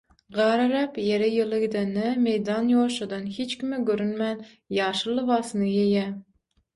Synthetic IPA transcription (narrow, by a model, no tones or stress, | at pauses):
ʁɑɾɨɾɛpjeɾɛjɨlˠɨɡʲd̪ɪnɪmejd̪ɑnjoːʃɨd̪ɨnhet͡ʃkʲʰimɪɡʲøɾynmɛn | jɑːʃɨlˠːɨvɑːsɨnɨjejɛ